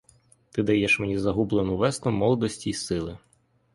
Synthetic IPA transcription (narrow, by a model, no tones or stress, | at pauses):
t̪ɪd̪ɐjɛʃmenʲizɐɦublˠenʊʋɛst̪ʊmɔlˠɔd̪ɔsʲtʲiːsɪlˠɪ